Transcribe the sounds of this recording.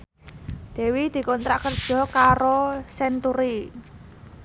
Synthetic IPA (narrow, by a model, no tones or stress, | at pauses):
d̪̥e̤wid̪̥i̤kɔnt̪ɾaʔkərd̥ʒ̥ɔ̤kaɾosɛnt̪uɾi